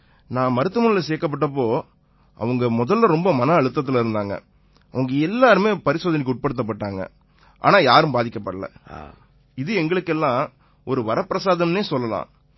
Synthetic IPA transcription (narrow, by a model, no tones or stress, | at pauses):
nãːmɐɾɯt̪ːɯmɐnɪlɐseːkːɐp̬ːɐʈːɐp̬ːoː | ɐ̰ʋɐŋɡɐmɔðɐlːɐɾɔmbɐmɐnɐːɻɯt̪ːɐt̪̬ːɪlɪɾɯnd̪aːŋɡɐ̰ | ɐʋɐŋɡɐɛlːaːɾɯmeːpɐɾɪsoːðɐnɪkːʊʈ̚pɐɽɯt̪ːɐp̬ːɐʈːaːŋɡɐ̰ | ʔa̰ːnaːjaːɾɯ̃mbaːðɪkːɐpːɐɽɐlɐ̰ | ɪðɯɛŋɡɐɭɯkːɛlːãː | ɔɾɯʋɐɾɐpːɪɾɐsaːðɐmneːsɔlːɐlã̰ː